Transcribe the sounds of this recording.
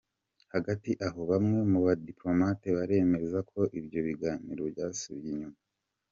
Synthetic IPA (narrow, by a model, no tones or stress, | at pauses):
haɡatiʔaɦo̞βamŋe̞muβadiplo̞mateβaɾe̞me̞zakʰo̞ʔibjo̞βiɡaːnḭɾobjaːsuβijiɲuma